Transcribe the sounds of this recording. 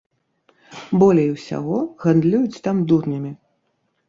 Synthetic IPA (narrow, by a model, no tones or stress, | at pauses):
bɔlʲɛjwsʲa̰ɣɔɣand̪lʲujut͡sʲt̪amd̪urnʲɐmʲi